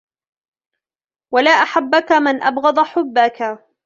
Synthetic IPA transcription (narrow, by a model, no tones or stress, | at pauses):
walaːʔaħabːakamɪnʔa̰bɣɑd̪ˤaħʊbːaka